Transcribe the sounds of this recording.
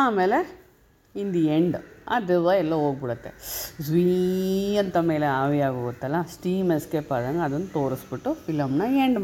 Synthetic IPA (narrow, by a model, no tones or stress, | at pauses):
aːmeːle | ind̪ieɳɖaːd̪iʋaɛlːoɦoːɡ̚biɽɐt̪ːe̞̰sʋi | ɐnt̪ɐme̞ːleaːʋiaːɡoːɡut̪ːɐlːɐsʈiːmeskeːpaːd̪ɐŋɡɐːd̪ɐnːɐt̪o̞ːɾisbiʈːufilɐmnɐeɳɖ